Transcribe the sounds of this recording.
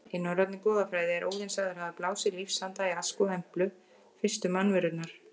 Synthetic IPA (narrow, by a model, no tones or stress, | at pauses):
ɪnːawɾat̪nɪkɔːðafɾaːjðɪɛɾʔo̰ːwðɪnsaðɪɾhaðaplaːwsɪlifsant̪aiaskɔhɛm̥plʏ | fɪ̥st̪ʏmanvɪɾʏt̪naɾ̥